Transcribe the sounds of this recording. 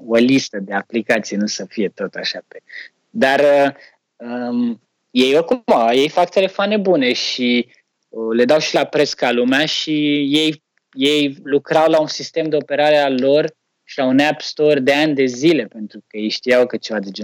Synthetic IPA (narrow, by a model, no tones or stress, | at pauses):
o̞list̪əd̪e̞aplikat̪sijenusəfije̞t̪o̞t̪aʃape | d̪arə | ə | jejokumaje̞jfakt̪e̞le̞foane̞bune̞ʃi | əle̞d̪awʃilapɾe̞skalumeaʃije̞j | je̞jlukɾawlaunsist̪e̞md̪e̞o̞pe̞ɾaɾealo̞r | ʃilaunabst̪o̞rd̪e̞anʲd̪e̞zile̞pe̞nt̪ɾukəje̞jʃt̪ijawkət͡ʃe̞vad̪ed͡ʒe